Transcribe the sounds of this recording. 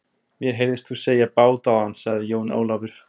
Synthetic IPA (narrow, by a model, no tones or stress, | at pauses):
mjɛɾ̥ɦejɾðɪst̪θuseːjapaːwt̪awhanːsaɣðɪjoːwno̰ːwlavʏɾ̥